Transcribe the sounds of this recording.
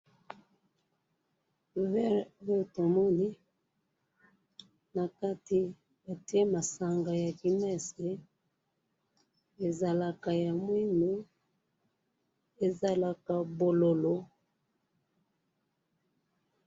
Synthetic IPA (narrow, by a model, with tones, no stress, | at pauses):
vɛ˦jo˦˨to˨mɔ˦ni˦ | na˨ka˦ti˦ | ba˨ti˦e˦ma˨sa˨ŋɡa˨ja˨ki˨mɛ˦se˨ | e˨za˨la˨ka˨ja˨mwi˦no˦ | e˨za˨la˨ka˨bo˨lo˨lo˦